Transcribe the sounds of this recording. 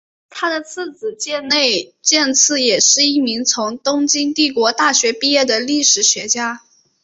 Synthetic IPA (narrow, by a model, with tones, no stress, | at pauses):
t̪ʰa˥d̪ə˨t͡sʰɹ̩˥˩t͡sɹ̩˨˩t͡ɕjɛ˥˧nne˥˧ɪt͡ɕjɛ˥˧nt͡sʰɹ̩˥˩jɛ˨˩ʂɻ̩˥˧i˥˩mi˧˥ŋt͡sʰʊ˧˥ŋt̪ʊ˥ŋt͡ɕi˥ŋt̪i˥˩kwɔ˧˥t̪a˥˩ɕɥɛ˧˥pi˥˧jɛ˥˩d̪ə˩li˥˩ʂɻ̩˨˩ɕɥɛ˧˥t͡ɕja˥